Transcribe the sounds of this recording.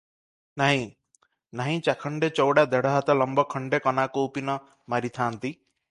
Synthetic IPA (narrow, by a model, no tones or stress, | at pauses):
naɦĩ | naɦĩt͡ʃakʰɔɳɖet͡ʃɔwɽad̪eɽɔɦat̪ɔlɔmbɔkʰɔɳɖekɔnakuupinɔ | maɾit̪ʰaːnt̪i